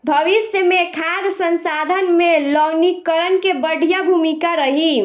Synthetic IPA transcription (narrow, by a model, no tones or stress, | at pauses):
bʱəʋisjəmekʰad̪sənsad̪ʱənmelɔɡnikːəɾənkebəɽ̤ʱijəbʱumikaɾəɦi